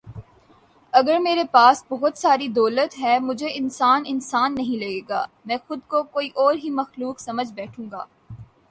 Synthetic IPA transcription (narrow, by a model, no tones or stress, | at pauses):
ɐɡəɾmeːɾepaːsbɔɦʊt̪saːɾid̪ɔːlət̪ɦɛːmʊd͡ʒʱeɪnsaːnɪnsaːnːɐɦĩlɐɡeːɡaːmɛ̃ːxʊd̪̚kokoːiʔɔːɾɦimɐxluːksɐməd͡ʒʱbɛːʈʰũːŋɡa̰ː